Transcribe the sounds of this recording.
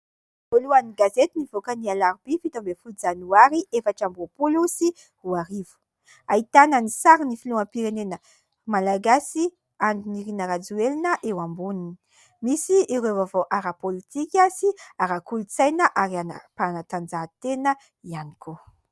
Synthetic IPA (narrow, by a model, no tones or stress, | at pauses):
voluaniɡazet̪inivokənialaɾib̥ifit̪ambefud͡zanuaɾiʔefaʈ͡ʂambopulusi | huaɾivu̥ | ait̪anənisaɾinifiluãmpiɾenenə | malaɡasi | and̪iniɾinəɾad͡zuelinəʔewambunini̥ | misiiɾevavoʔaɾapolit̪ikʲasiaɾakulut͡sajnəʔaɾiana̰panat̪and͡zat̪enə | ianiko